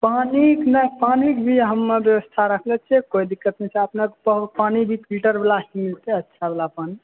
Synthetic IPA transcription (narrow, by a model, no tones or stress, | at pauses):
paniknapanikbʱiɦəmːebjəwəst̪ʰaɾəkʰlɛt͡ʃʰɛkoid̪ikːət̪nesẽəpnekpəɦpanibʱikɾiʈəɾbelasmilt̪ɛətːʃʰabelapani